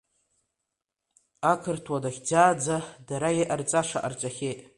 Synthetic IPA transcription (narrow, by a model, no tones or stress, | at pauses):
akʰɨrtʰwadaχʲd͡zaːd͡zadaɾajeʔart͡sʼaʂa̰ʔa̰rt͡ʃʷʼaχʲejtʼ